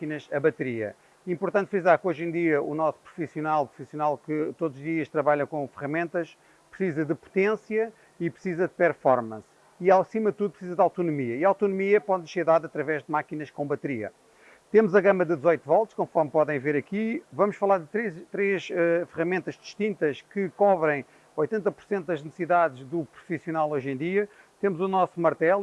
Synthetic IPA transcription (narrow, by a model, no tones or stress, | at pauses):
akinɐʃɐβɐt̪ɨɾiɐ̰ | ĩmpuɾt̪ɐ̃nt̪fizaɾkojʒẽj̃d̪iɐṵnɔsu̥pɾufisjunalˠpɾu̥fisjunalˠkɨt̪od̪zuʒðiɐʃt̪ɾɐβaʎɐ̃kõfɨʁɐmẽnt̪ɐʃ | pɾsizɐd̪ɨpu̥t̪ẽsjɐ | ipɾsizɐd̪ɨpɛɾfɔɾmɐ̃s | iasimɐðt̪uðupɾsizɐd̪awt̪unumiɐiawt̪unumiɐpɔðʃseɾðaðɐt̪ɾɐvɛʒd̪ɨmakinɐʃkõbɐt̪ɨɾiɐ̰ | t̪emuzɐɣɐmɐd̪ɨd̪zɔjt̪uvɔlˠt̪ʃkõfɔɾmpɔðɐ̃j̃veɾɐkivɐmuʃfɐlˠaɾðɨt̪ɾet̪ɾeʃɛfɨʁɐmẽnt̪ɐʒd̪i̥ʃt̪ĩnt̪ɐʃkɨkɔβɾɐ̃j̃ | ojt̪ẽnt̪ɐpuɾ̥sẽnt̪̚d̪ɐʒnɨsɨiðaðʒðupɾufisjunalˠojʒẽd̪iɐ | t̪emuzunɔsumɐɾt̪ɛlˠ